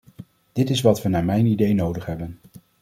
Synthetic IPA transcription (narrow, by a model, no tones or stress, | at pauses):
d̥ɪtɪsʋɑtʋənaːɹmɛjnidejnowdəχɦɛbən